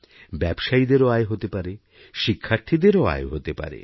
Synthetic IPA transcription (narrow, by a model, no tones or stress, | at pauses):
bɛbʃaid̪eɾoaeɦot̪epaɾe | ʃikʰːaɾt̪ʰid̪eɾoa̰eɦot̪epa̰ɾḛ